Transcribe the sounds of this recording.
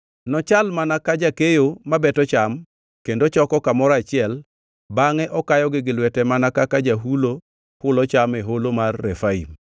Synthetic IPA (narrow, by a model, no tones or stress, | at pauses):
nɔt͡ʃalmanakad͡ʒakejomabɛtɔt͡ʃam | kendot͡ʃɔkɔkamɔɾat͡ʃɪɛl | baŋɛʔɔkajɔɡɪɡɪlwɛtɛmanakakad͡ʒaɦulo | kʊlɔt͡ʃameɦolomarːɛfaḭm